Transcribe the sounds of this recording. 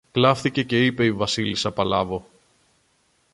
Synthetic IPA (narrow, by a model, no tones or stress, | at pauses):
klɐfθice̞ce̞ipe̞ivɐsilisɐpɐlɐvo̞